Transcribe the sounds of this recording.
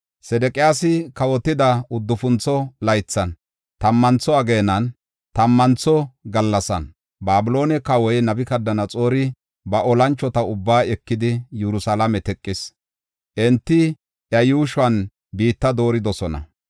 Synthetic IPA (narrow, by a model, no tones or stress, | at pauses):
sɛd̪ɛkʼɪjaːsɪkɐwɔt̪ːɪd̪ɐʊd̪ːʊfʊnt͡sːɔlɐjt͡sːɐn | t̪ɐmːɐnt͡sːɔɐɡeːnɐn | t̪ɐmːɐnt͡sɔɡɐlːɐsɐ̰n | baːbɪlo̞ːnɛkɐwɔjnɐbɪkɐd̪ːɐnɐt͡sʼo̞ːɾɪ | bɐʔɔlɐnt͡ʃːɔt̪ɐʊbːaːɛkːɪd̪ɪjɛɾʊsalɐmɛt̪ɛkʼːɪs | ʔɛnt̪ːɪ | ʔjɐjuːʃwɐn | biːt̪ːɐd̪o̞ːɾɪd̪ɔsɔnɐ̰